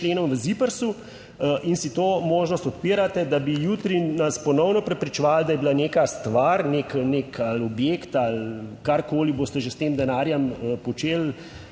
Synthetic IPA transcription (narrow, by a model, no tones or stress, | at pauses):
leːnɔmʋəzipəɾsu | ʔinsit̪oːmoːʒnɔst̪ɔt̪̚piːɾat̪ɛd̪abijuːt̪ɾinaspɔnɔwnɔpɾɛpɾit͡ʃɛʋald̪ajɛbilaneːkast̪ʋaɾneknekalɔbjeːkt̪alkaɾkoːliboːst̪ɛʒest̪emd̪ɛnaːɾjɛməpɔt͡ʃeːl